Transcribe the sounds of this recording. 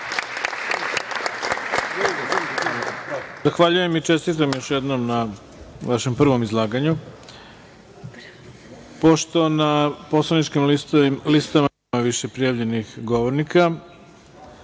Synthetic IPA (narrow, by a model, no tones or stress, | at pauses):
zaxʋaʎuje̞mit͡ʃe̞st̪it̪̬amjo̞ʃjed̪nomna | ʋaʃe̞mpr̩ʋo̞mizlˠaːɡaɲu | po̞ʃt̪o̞napo̞slˠanit͡ʃkimlist̪amaneaʋiʃe̞pɾijaʋʎe̞nixɡoʋo̞ɾnika